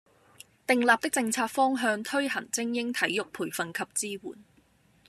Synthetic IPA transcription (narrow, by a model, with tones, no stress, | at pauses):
t̪ɪ˨˧ŋlaː˨p̚t̪ɪ˥k̚t͡sɪ˧ŋt͡sʰaː˧t̚fɔː˥ŋɦœː˧ŋt̪ʰɵ˥ɥɦɐ˨˩ŋt͡sɪ˥ŋjɪ˥ŋt̪ʰɐ˨˥jːjʊ˨k̚pʰuː˨˩jfɐ˨nkʰɐ˨p̚t͡siː˥wṵː˨˩n